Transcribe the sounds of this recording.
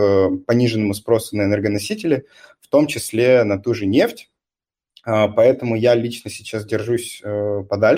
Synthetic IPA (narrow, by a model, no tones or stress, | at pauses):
pɐnʲiʐɨnːəmʊspɾo̞sʊnəɛnɛrɡənɐsʲitʲɪlʲɪ | ft̪o̞mt͡ɕɪsʲlʲenɐt̪uʐɨnʲe̞ftʲ | apɐɛt̪əmʊjalʲit͡ɕnəsʲɪt͡ɕas̬dʲɪrʐusʲəpɐd̪alʲ